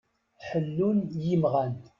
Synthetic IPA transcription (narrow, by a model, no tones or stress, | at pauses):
ħəlːunjimʁæn